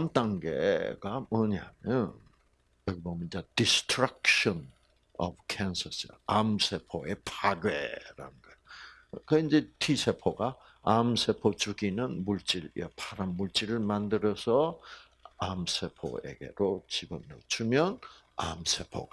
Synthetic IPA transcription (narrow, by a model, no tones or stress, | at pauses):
amt͈aŋɡḛɡ̥amʌɲaamjʌn | jʌɡibomjʌnd͡ʑadistʰɾak̚ɕʌn | ʌ̰bkʰensʰʌsɾaamsʰe̞pʰoe̞pʰaɡḛɾa̰ɯnɡʌeokɯind͡ʑe̞tʰisʰe̞pʰoɡa | amsʰepʰot͡ɕuɡinɯnmuɭt͡ɕ͈iɾḛpʰaɾamːuɭt͡ɕ͈iɾɯɭmandɯɾʌsʰʌ | amsʰepʰo̰ḛɡe̞̰ɾot͡ɕiɡɯmnʌt͡ɕʰumjʌn | a̰msʰe̞pʰo̰ɡa